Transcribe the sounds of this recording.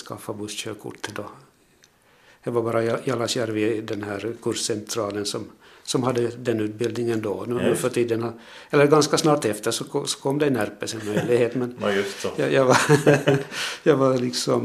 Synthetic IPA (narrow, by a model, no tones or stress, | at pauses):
skʰa̰fːabʊst̪ɕøːkʰʊ̰ʈːəd̪ɔ | dɑɡvaɾbɑːɾajjɑlasjæɾvɪd̪ɛnhæːɾkʰɵɾʂːɛnt̪ʰɾɑːlənsɔmsɔmhad̪ːəd̪ɛnːʉ̟ːt̪̚bɪld̪nɪŋənd̪ɔnnʉːfœʈʰiːd̪ənha | ɛlːəɾɡanskasnɑːʈɛft̪əʂɔɔsɔ̥kʰɔmːd̪ɛnæɾpəsɪnmœjlɪɡheːt̪mɛnjɵstjɑ̰jɑva | jɑɡvaɾlɪksɔm